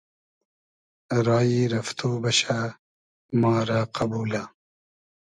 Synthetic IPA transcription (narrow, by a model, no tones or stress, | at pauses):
ɾɑːjiɾɐft̪ʰuːbɐɕa | mɑːɾaqɐbuːla